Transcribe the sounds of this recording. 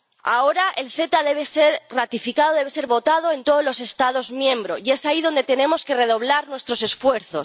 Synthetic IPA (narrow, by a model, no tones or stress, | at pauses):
ao̞ɾaʔe̞lθe̞t̪aðe̞β̞e̞se̞ɾrat̪ifikað̞o̞ðe̞βe̞se̞ɾβo̞t̪að̞o̞e̞nt̪o̞ð̞ozlo̞se̞st̪aðo̞zmjẽ̞mbɾo̞ie̞saiðo̞nd̪e̞t̪e̞nẽ̞mo̞ske̞re̞ðo̞βlaɾnwe̞st̪ɾo̞se̞sfwe̞ɾθo̞̰s